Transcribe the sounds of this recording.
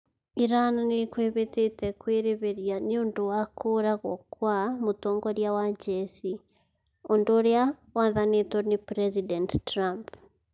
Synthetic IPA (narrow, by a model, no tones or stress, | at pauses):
iɾananikwiβititekwiːɾiβiɾjaniunduwakʰuɾaɣokwamutoːŋɡoɾjawaɲɟesi | onduɾja | waːnðanitonipɾezidenttɾamp